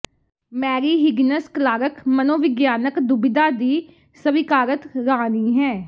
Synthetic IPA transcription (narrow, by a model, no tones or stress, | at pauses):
mɛːɾiːɦɪɡnəsklaːɾəkmənoːʋɪɡjaːnəkd̪ʊbɪd̪aːd̪iː | səʋɪkaːɾət̪ɾaːniːɦɛː